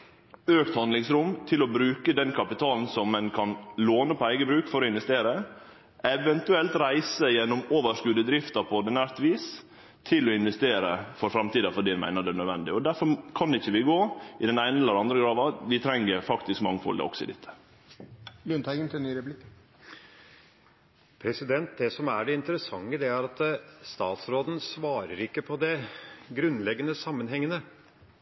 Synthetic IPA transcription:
øːkt̪hɑnd̪lɪŋsɾʊmt̪ʰɪlɔbɾʉːkəd̪ɛnkʰɑpɪt̪ʰɑːln̩sɔmːɛnkʰɑnloːnəpʰɔæɪɡəbɾʉːkfɔɾɔɪnʋɛst̪eːɾə | ʔɛʋɛnt̪ʉɛlt̪ɾæɪsəjɛnːɔmoːʋəʂkʉːd̪əd̪ɾɪft̪ɑpʰɔd̪ɪnæɾt̪ʋiːs | t̪ʰɪlɔɪnʋɛst̪eːɾəfɔɾfɾɑmt̪iːd̪ɑfɔɖiːd̪ɛnmæ̰ɪnəd̪ɛnœd̪ʋɛ̰nd̪ɪɔd̪æɾfɔɾkʰɑnɛɪçːəʋɪɡoːɪd̪ɛnæɪnəɛlːəɾɑnd̪ɾəɡɾɑːʋɑʋɪt̪ʰɾɛŋːəɾfɑkt̪ɪskmɑŋːəfɔ̰ld̪ɛ̰ɔ̰ksɔɪd̪ɪt̪ʰːə̥ | lʉnt̪ʰæɪɡənt̪ʰɪnyːɾɛplɪkː | pʰɾɛsɪd̪ɛnt̪̚d̪ɛsɔmæɖɛɪnt̪əɾəsɑŋːəd̪ɛæɾɑt̪st̪ɑːt̪sɾoːd̪ən̩sʋɑːɾəɾɪkːəpʰɔd̪ɛɡɾʉnːlɛɡːənəsɑmːənɦɛŋːənə

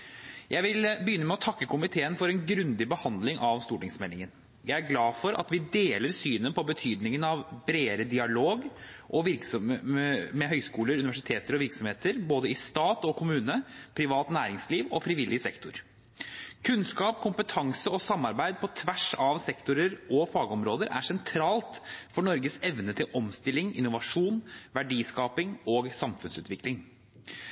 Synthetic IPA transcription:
jʔæɪʋɪlbəjʏnːəmɛɔt̪ʰɑkːəkʊmɪt̪ʰeːənfɔɾɛnɡɾʉnd̪ɪbəhɑnd̪lɪŋʔɑʋst̪uːʈɪŋsmɛlːɪŋən | jæɪæɾɡlɑːfɔɾʔɑ̰t̪ʋɪd̪eːləɾsyːnənpʰɔbət̪ʰyːd̪nɪŋənɑʋbɾeːɾəd̪ɪɑloːɡ | ʔɔʋɪɾksɔmmɛɦœʏskuːləɾʉnɪʋæʂɪ̥t̪ʰeːt̪əɾɔʋɪɾksɔmheːt̪əɾboːd̪əɪst̪ɑːt̪ɔkʰʊmʉːnəpʰɾɪʋɑːt̪næːɾɪŋsliːʋɔfɾiʋɪlːɪsɛkt̪ʊɾ | kʰʉnskɑːpkʰʊmpət̪ʰɑŋsəɔsɑmːɑɾbæɪd̪̚pʰɔt̪ʰʋæʂɑʋsɛkt̪ʊɾəɾɔfɑːɡɔmɾoːd̪əɾæ̰ʂɛnt̪ʰɾɑːlt̪fɔɳɔɾɡəsɛʋnət̪ʰɪlʔɔmst̪ɪlːɪŋɪ̰nːʊʋɑʂuːnʋæɖiːskɑːpɪŋɔɡsɑmfʉnsʉːt̪ʋɪklɪŋ

